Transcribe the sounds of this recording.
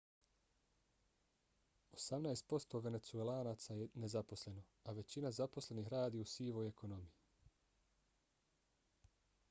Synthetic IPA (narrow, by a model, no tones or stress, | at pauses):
osamnaest̪̚po̞st̪o̞ʋe̞ne̞t̪suelaːnat̪sajene̞zapo̞sle̞no̞ | aʋe̞t͡ɕinazapo̞sle̞nixɾaːd̪iːusiːʋo̞je̞kʰo̞no̞miji